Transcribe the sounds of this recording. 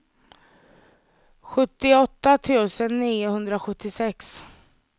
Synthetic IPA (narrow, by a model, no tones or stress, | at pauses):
ɧɵt̪ːɪɔt̪ːat̪ʰuːsənːiːʊhɵnd̪ɾaɧɵt̪ːɪsɛks